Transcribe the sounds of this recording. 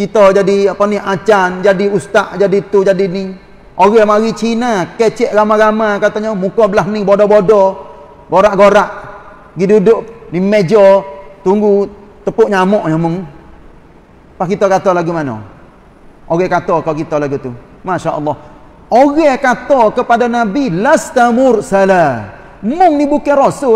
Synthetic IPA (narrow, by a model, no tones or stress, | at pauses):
kit̪ɔd͡ʒadiapɔniat͡ʃand͡ʒadiust̪aʔd͡ʒadit̪ud͡ʒadini | ʔoɣɛhmaɣit͡ʃinakɛt͡ʃɛʔɣamaɣamakat̪aɲɔmukɔbəlaɦnibodɔbodɔ | ɡoɾaʔɡoɾaʔ | ɡidudʊʔnimɛd͡ʒɔt̪uŋɡut̪əpʊʔɲamɔʔɲɔmʊŋ | pahkit̪ɔkat̪ɔlaɡumanɔ̰ | ʔoɣɛkat̪ɔkɔkit̪ɔlaɡut̪u | maʃaʔə̰lːɑh | oɣɛkat̪ɔkəpadanabilast̪amʊrsala | mʊŋnibukɛrosʊ